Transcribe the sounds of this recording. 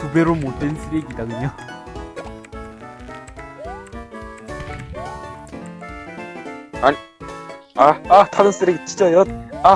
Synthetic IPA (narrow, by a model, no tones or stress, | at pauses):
kube̞ɾomot͈ens͈ɯɾeɡidakɯɲo | a | aatʰaɾɯns͈ɯɾeɡit͡ɕʰid͡ʑʌʌa